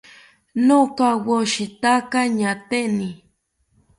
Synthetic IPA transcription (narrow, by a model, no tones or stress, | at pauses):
nokawoʃɪt̪akaɲat̪enɪ